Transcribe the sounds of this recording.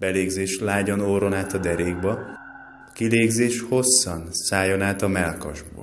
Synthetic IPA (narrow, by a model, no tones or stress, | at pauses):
b̥ɛleːɡzeːʃlaːɟonoːɾo̞naːt̪ɒd̪ɛɾeːɡbɒ | kileːɡzeːʃho̞sːɒnsaːjonaːt̪ɒmɛlkɒ̰ʒbo̰ː